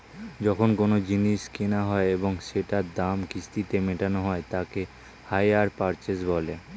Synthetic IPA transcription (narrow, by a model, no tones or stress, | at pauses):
d͡ʑɔkʰonkonod͡ʑiniʃkenaɦɔeeboŋʃeʈad̪amkist̪it̪emeʈanoɦɔet̪ake | hajaɾpaɾt͡ɕesbɔle